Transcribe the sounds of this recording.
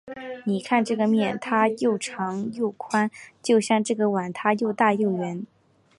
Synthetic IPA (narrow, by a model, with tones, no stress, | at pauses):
ni˨˩kʰa˥˧nʈ͡ʂɤ˥˩ɡə˩mjɛ˥˩nt̪ʰa˥jo˥˩ʊʈ͡ʂʰɑ˧˥ŋjo˥˩ʊkʰwa˥nt͡ɕjo˥˧ʊɕjɑ˥˧ŋʈ͡ʂɤ˥˩ɡə˩wa˨˩nt̪ʰa˥jo˥˧ʊt̪a˥˧jo˥˩ʊɥɛ˧˥n